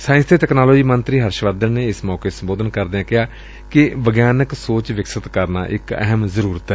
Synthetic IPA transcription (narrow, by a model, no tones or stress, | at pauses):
saːjɪ̃nst̪eːt̪ɛːknaːloːd͡ʒiːmənt̪ɾiːɦəɾʃʋaːd̪ənneːɪsmɔːkeːsəmboːd̪ənkəɾd̪eːãːkɪɦaː | kɪʋəɡjaːnəksoːt͡ʃʋɪksət̪kəɾna̰ːʔɪkɛ̰ɦəmzəɾuːɾət̪ɛː